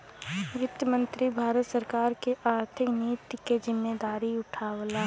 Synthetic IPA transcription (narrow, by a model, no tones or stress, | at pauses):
ɡɪt̪əmə̃nt̪ɾibʱaːɾət̪səɾkaːɾkeʔaːɾt̪ʰɪkniːt̪jkezɪmːed̪aːɾiʊʈʰaːwlaː